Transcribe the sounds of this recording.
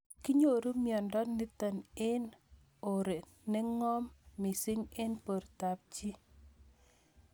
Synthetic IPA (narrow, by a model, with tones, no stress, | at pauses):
ki˦ɲo˨ɾu˦mjɔ˨ndɔ˦tnɛ˦tə˨ne˦n | o˨ɾe˨ | nɛ˦ŋɔ˦mːɪ˨si˦ŋe˦npo˨ɾta˨p̚t͡ʃi˦